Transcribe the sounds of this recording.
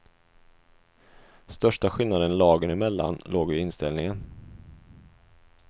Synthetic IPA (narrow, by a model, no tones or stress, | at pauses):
st̪œʂʈaɧɪlnad̪ənlɑːɡənɪmɛlːa̰nloːɡʏɪnst̪ɛlnɪŋən